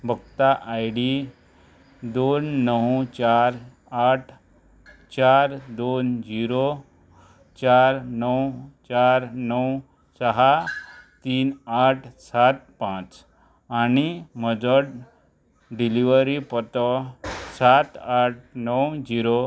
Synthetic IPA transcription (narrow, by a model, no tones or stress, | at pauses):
bʱəkt̪aʔajɽi | d̪onːəwt͡ɕaɾ | aʈʰ | t͡ɕaɾd̪ond͡ʑiɾo | t͡ɕaɾnəwt͡ɕaɾnəw | səɦat̪iːnaʈʰsat̪̚pãt͡s | añiməd͡zəɽ | ɖiliʋəɾipət̪ɔsat̪aʈ̚ʰnəwd͡ʑiɾo